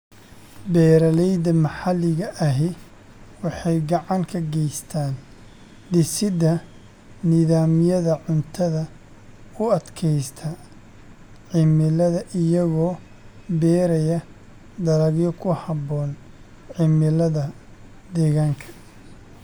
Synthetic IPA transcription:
bɛːɾɐlɛjd̪ɐmɐħɑlɪɣɐʔɐɦɪ | wɑħɑjɡɑʕɑŋkʰɐɡɛjst̪ʰaːn | d̪ɪsɪd̪ɐ | nɪðaːmɪjɐðɐʕʊnt̪ʰɐðɐ | ʊɐd̪kʰɛjst̪ʰɐ | ʕɪmɪlɐðɐʔɪjɐɣɔː | bɛːɾɐjɐ | d̪ɐɾɐɣjɔkʰʊhɑbɔːn | ʕɪmɪlɐðɐ | d̪ɛːɣaːŋkʰɐ̥

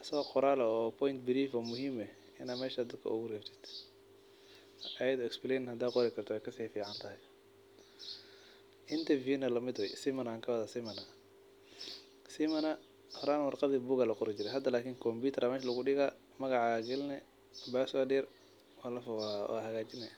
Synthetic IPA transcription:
sɔqʊɾaːlɛɔːpʰɔjnt̪bɪɾiːfɔːmʊɦiːmɛ | ɪnaːmɛːʃaːd̪ɐd̪kʰɐ̰ʊɣʊrɛːft̪ʰɪ̥d̪̥ | ɐjɐðɔɪksblɛnhɐd̪aːqɔɾɛkʰɐrt̪ʰɔɛjkʰɐsiːfiːʕɑnt̪ʰɐɦɛ | ʔɪnt̪ʰɐviːnɐlɐmɪd̪wɛjsɪmɐnaːŋkʰɐwɑðasɪmɐnɐ | simɐnɐ | hɔɾaːnwɑrqɑðiːbuːɣalɐqʊɾɪt͡ʃɪɾɛɦɐd̪ɐlaːkʰiːŋkʰɔmbuːt̪ʰɐɾamɛːʃlɐɣʊɖɪɣa | mɐɣɑʕɑaɡɛlnɛ | baːswadɛːr | walɐfwa̰hɐɣaːt͡ʃɪnɛ

